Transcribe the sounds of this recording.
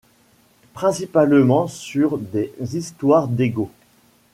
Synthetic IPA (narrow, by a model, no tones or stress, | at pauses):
pχɛ̃sipalmɑ̃syʁd̪ezist̪waʁd̪eɡo